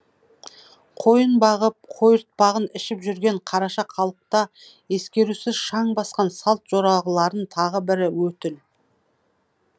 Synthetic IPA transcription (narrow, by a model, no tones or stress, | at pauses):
qʰo̞jənbɑʁəp̚qʰo̞jəɾt̪̚pɑʁənɪʃɪpʒʏɾɡʲe̞ɴqʰɑɾɑʃɑqʰɑlˠəq̚t̪ɑ | e̞skʲe̞ɾusɪzʃɑɴbɑsqɑnsɑlˠt̪ʒ̥o̞ɾɑʁəlˠɑɾənt̪ʰɑʁəbɪɾɪwɵt̪ɪl